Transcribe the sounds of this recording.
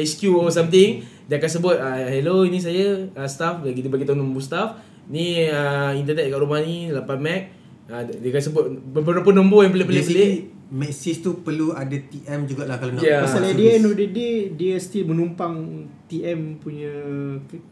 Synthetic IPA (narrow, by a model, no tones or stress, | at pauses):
askjuɔsamt̪̬ɪŋ | diəakansəbʊt̪̚əɦɛloinĩs̬ajəəst̪afbaɡid̪ibaɡit̪auŋnɔmbust̪af | niəint̪ənɛt̪̚kaʔɾumahnilapanmɛk̚ | ədiəkansəbʊt̪̚ppənoponɔ̃mbojaŋpəlepəlepəle | mɛksist̪upəluadat̪iʔɛmd͡ʒuɡaʔlahkalonjaaaladiɛnɔdədediɛst̪imənumpaŋt̪iɛmpuɲək